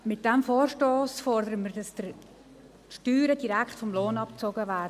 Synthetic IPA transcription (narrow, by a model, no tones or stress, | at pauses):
mɪt̚d̥ɛmfoːrʃtoːsfɔrdəɾəmərdɑsd̥əɾ | ʃtyːɾədiɾækχtfɔmloːnɑp̚t͡soɡəvæːdə